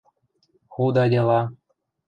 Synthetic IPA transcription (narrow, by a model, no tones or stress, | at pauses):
xud̪ɑdʲelˠɑ